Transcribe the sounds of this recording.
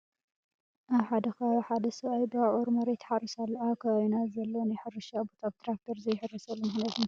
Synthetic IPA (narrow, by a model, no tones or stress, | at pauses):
ʔaβħad̪ɐxɐβħad̪ɐsɐβajbɨaʔoɾmɐɾet̪ħarisalːɐakʰɐajnazɐlːonajħɨɾɨʃabot̪ʰaβt̪ʰɾak̚t̪ʰoɾzɐjɪħɨrːɐsɐlːumɨxnat̪ʰun